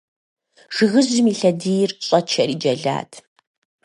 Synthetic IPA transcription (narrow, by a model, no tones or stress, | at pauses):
ʐ̥ɨɣɨzʊmiːɬɐdiːjrɕʼɐt͡ʃʰɐriːd͡ʒɐɮa̰ːtʰ